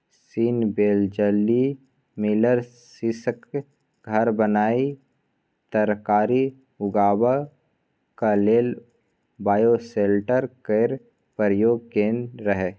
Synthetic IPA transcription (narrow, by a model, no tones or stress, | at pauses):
siːnbeːld͡ʒəlːi | mɪləɾ | sisək | ɡʱəɾbənaːi | t̪əɾkaːɾi | ʊɡaːwə | kaleːl | baːjoseːlʈəɾkeɾ | pəɾjoːɡ̚kẽːnɾəɦe